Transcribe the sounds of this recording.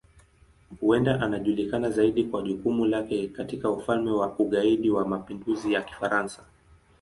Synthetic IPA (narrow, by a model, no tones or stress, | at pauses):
huɛndaʔanaʄulikanazaiɗikwaʄukumulakɛkatikaufalmɛwauɠaiɗiwamapinduzijaki̥faɾansḁ